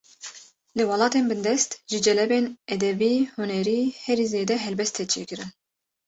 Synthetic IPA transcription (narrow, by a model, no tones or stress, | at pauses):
lɨwɑlɑːt̪eːnbɨnd̪ɛst̪ʒɨd͡ʒɛlɛbeːnɛd̪ɛbiːhunɛɾiːhɛɾiːzeːd̪ɛɦɛlbɛst̪ʰːɛt͡ʃʰḛːkɨɾɨn